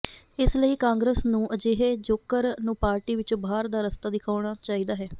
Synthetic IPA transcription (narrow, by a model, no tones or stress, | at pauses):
ɪsləiːkãːŋɡɾeːsnũːʔəd͡ʒeːɦeːd͡ʒoːkːəɾnũːpaːɾʈiːʋɪt͡ʃbaːɾd̪aːɾəst̪aːd̪ɪkʰaːɽ̃aːt͡ʃaːiːd̪aːɦɛː